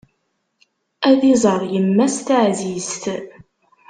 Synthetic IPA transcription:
æðizˤəɾˤjəmːæst̪əʕzizt̪

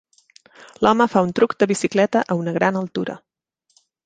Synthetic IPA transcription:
lɔməfaunt̪ɾukd̪əβisiklɛt̪əʔəunəɣɾanəlˠt̪uɾə̰

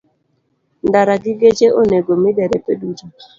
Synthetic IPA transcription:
ndaɾaɡɪɡet͡ʃeʔoneɡomɪdɛɾɛpedut͡ʃo

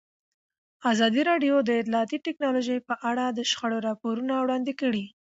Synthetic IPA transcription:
azɑd̪iɾɑɖjod̪əɪt̪lɑːt̪iʈɪknɑloʒəjpəʔaɽad̪əʃxaɽoɾɑpoɾunawɽɑnd̪ɪkəɽi

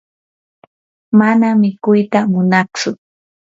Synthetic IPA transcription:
manamɪkʊjt̪amʊnat͡ʃʊ

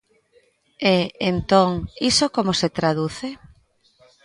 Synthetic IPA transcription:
eent̪oŋisokomoset̪ɾaðuθe

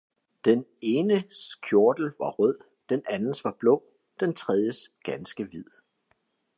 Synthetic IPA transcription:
d̥ene̝ːnəsɡ̥ʰjo̝ɐd̥l̩ʋɑ̈ʁœð̰ˠ | d̥enænn̩sʋɑ̈b̥lɔ̽ː | d̥ent͡sʰʁɛð̞ˠjəsɡ̥ænsɡ̥əʋið̞̰ˠ

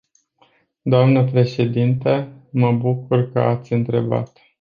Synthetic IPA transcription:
d̪oamnəpɾe̞ʃe̞d̪int̪əməbukurkə̰at̪sʲɨnt̪ɾe̞̰ba̰t̪

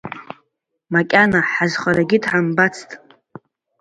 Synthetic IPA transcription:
makʲʼanaħazχʷaɾaɡʲɪdʰʕambat͡sʰtʼ

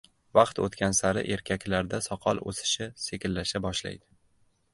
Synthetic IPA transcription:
vɑqt̪o̰t̪kʲansaɾɪ̰ʔe̞ɾkʲʰakʲlaɾd̪asɒqʰɒlˠo̰sɪ̥ʃɪsekʲɪlːaʃabɒʃla̰jd̪ɪ

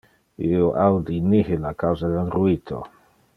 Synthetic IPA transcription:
ioʔawd̪inihilakawzad̪elruit̪ʰo̰

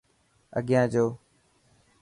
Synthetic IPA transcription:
ə̰ɠɪjãːd͡ʒoː

